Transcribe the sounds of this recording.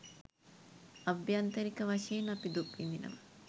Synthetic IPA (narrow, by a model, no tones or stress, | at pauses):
ɐbjant̪ɐɾikəʋɐʂɐjenɐpid̪upʋind̪inə̰mɐ